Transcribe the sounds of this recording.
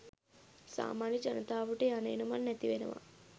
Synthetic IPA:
sa̰ːmaːnid͡ʒɐnɐt̪aːʋuʈeːɐneːnumɐnːɛt̪iʋenɐ̰ʋa̰

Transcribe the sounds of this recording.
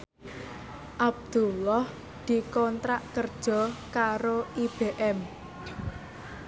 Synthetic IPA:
ʔab̚d̪̥ulɔh | d̪̥i̤kɔnt̪ɾaʔkərd̥ʒ̥ɔ̤kaɾoʔib̥eʔɛm

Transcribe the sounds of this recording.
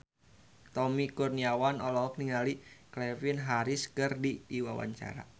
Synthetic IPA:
t̪ɔmikurniawanɔlɔɦɔk̚niŋaliklɛfinɦaɾiskərdidiwawa̰ɲt͡ʃa̰ɾa̰

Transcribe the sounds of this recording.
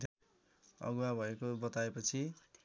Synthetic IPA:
d̪ʱ | ʌ̰ɡwabʱʌekobʌt̪aepʌt͡sʰi

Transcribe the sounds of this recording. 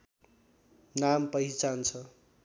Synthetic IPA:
nampʌɦit͡sant͡sʰʌ

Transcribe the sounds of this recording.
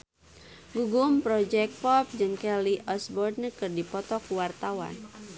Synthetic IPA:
ɡuɡʊmpɾɔd͡ʒɛk̚pɔp̚d͡ʒɨŋkɛliʔɔsbɔrd̪̚nəkɨrdipɔt̪ɔkuwart̪awa̰n

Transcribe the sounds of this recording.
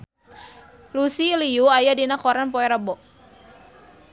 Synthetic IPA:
lusiliuajadinakɔɾanpɔɛɾabɔʔ

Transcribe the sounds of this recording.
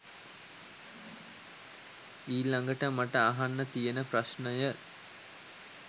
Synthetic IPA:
iːlaŋɡəʈəmaʈəaɦanːət̪ijənəpraʃnəjə

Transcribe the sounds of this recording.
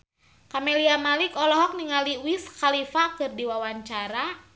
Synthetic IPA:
kameliamalikɔlɔɦɔk̚niŋaliwiskalifakɨrdiwawaɲt͡ʃaɾa

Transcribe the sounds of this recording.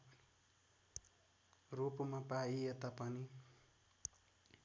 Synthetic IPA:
rupmapaijet̪ʌpʌni

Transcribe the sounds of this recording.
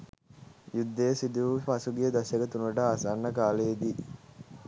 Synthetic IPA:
jud̪ːəjəsid̪uʋfɐsuɡijəd̪ɐseɡət̪unʋəɖaːsanːəkaːled̪i

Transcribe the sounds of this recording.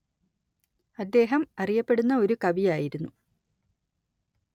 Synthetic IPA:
ɐd̪ːe̞ːɦɐmɐrijɐpːeɽunːɐo̞ɾukɐbijaːjiɾunːu

